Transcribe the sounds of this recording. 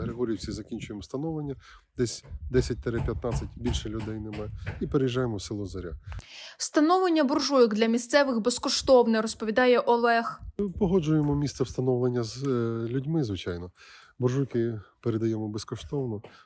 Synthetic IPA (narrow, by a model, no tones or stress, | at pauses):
ɦɾeɦɔɾʲijwsʲizɐkʲinʲt͡ʃʊjemwst̪ɐnɔʋlˠenʲːɐ | d̪̥ɛsʲd̪ɛsʲɐt̚ʲt̪ɐɾɛpʲjɐt̪nɑt͡sʲɐtʲbʲilʲʃɛlʲʊd̪ɛjnemajipeɾejiʒːɑjemɔwsɪlˠɔzɐɾʲa̰st̪ɐnɔʋlˠenʲːɐbʊrʒujɔɡd̪lʲɐmʲist̪sɛʋɪxbeskɔʃt̪ɔwnɪrɔspɔʋʲid̪ɑjɛʔɔlˠɛxpɔɦɔd͡ʒʊjemɔmʲist̪sɛwst̪ɐnɔʋlˠenʲːɐzlʲʊdʲmɪzʋɪt͡ʃɑjnɔ | bɔrʒujkɪpeɾed̪ɐjɛmɔbeskɔʃt̪ɔwnɔ